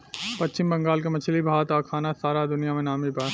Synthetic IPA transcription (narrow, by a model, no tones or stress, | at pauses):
pɐtːt͡ʃɪmbɐ̃ŋɡaːlk̬emɐt͡ʃʰlibʱaːt̪akʰaːnasaːɾad̪ʊnijamẽnaːmibʱaː